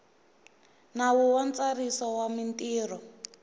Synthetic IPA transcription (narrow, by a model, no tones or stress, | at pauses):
nawuwant͡sarisɔwamintʼiːrɔ